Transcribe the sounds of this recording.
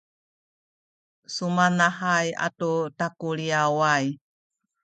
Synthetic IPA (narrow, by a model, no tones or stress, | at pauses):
sumanahaja̰tutakuliawaj